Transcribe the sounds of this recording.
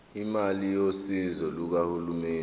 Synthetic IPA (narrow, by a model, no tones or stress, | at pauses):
imalijosizɔluk̬ahulumɛːn